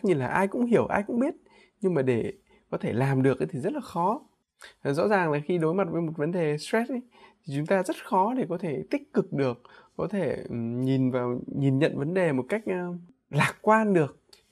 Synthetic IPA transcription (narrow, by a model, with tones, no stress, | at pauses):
ɲɨ˧laː˨˩ʔaː˧jkʊ̰˧˥ŋ͡mɦi˧˩əwʔaː˧jkʊ̰˧˥ŋ͡mɓi˦˥ət̚ | ɲɨ˧ŋmaː˨˩ɗe˧˩ | kɔ˨˦t̪ʰe˧˩laː˨˩mɗɨ˨˩ək̚t̪ʰi˨˩zə˦˥t̚laː˨˩xɔ˨˦˨ | zɔ̰˧˥zaː˨˩ŋlaː˨˩xi˧ɗo˨˦jma˨˩t̚vəː˨˦jmo˨˩t̚və˨˦nɗe˨˩stwɛ˦˥t̚jt̪ʰi˨˩t͡ɕʊ˨˦ŋ͡mt̪aː˧zə˦˥t̚xɔ˨˦ɗe˧˩kɔ˨˦t̪ʰe˧˩t̪ï˦˥k̚kɨ˨˩k̚ɗɨ˨˩ək̚ːɔ˨˦t̪ʰe˧˩ɲi˨˩nvaː˨˩wɲi˨˩nɲə̰˧˨nvə˨˦nɗe˨˩mo˨˩t̚ka˦˥jk̟̚ʔː | laː˨˩k̚kwaː˧nɗɨ˨˩ək̚